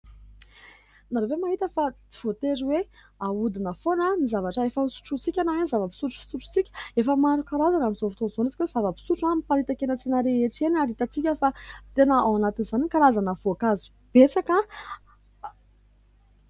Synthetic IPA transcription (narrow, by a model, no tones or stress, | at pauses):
naɾevemaɦit̪əfat͡si̥v̥ot̪eɾiwe | aud̪inəfonanizavaʈ͡ʂəefəusu̥ʈ͡ʂut͡sikʲanawenizavəpi̥suʈ͡ʂu̥fi̥suʈ͡ʂu̥t͡sikʲefəmaɾukaɾazanamizovit̪onzonizikʲwez̥avəpi̥suʈ͡ʂamipaɾit̪akenət͡sinəɾeeʈ͡ʂenaɾit̪ət͡sikʲəfat̪enəawanat̪inizanikaɾazanəvoakazu̥ | b̥et͡saka